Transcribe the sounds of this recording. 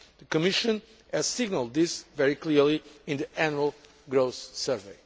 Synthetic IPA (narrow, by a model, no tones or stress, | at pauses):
ðɨkɨmɪʃɨ̃n | ɨz̥sɪɡnəlˠd̪̚ðɪsvɛɹikliɹliɪ̃nðɨʔænəlˠ | ɡɹoʊθsɜɹveɪ